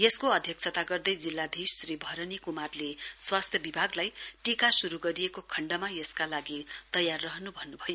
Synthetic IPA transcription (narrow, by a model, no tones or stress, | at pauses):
jeskoʌd̪ʱjʌksʰʌt̪aɡʌrd̪ʌjd͡zilːad̪ʱisɾibʱʌɾʌnikumarleswast̪ʰjʌbibʱaɡlajʈikasuɾuɡʌɾijekokʰʌɳɖʌmajeskalaɡit̪ʌjarːʌɦnubʱʌnːubʱʌjo